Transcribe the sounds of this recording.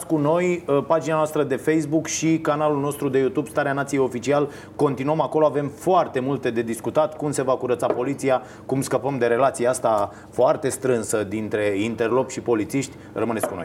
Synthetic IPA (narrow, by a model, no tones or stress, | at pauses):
kuno̞jpad͡ʒinanoast̪ɾəd̪e̞fe̞js̬bukʃikanalulno̞st̪ɾud̪e̞jut̪ubst̪aɾeanat̪sijeo̞fit͡ʃial | ko̞nt̪inuəmako̞loave̞mfoart̪e̞mult̪e̞d̪e̞d̪iskut̪at̪kumse̞vakuɾət̪sapo̞lit̪sia | kumskəpəmd̪e̞ɾe̞lat̪siast̪a | foart̪e̞st̪ɾɨnsəd̪int̪ɾe̞int̪e̞rlo̞pʃipo̞lit̪siʃt̪ʲ | rəmɨneskunojj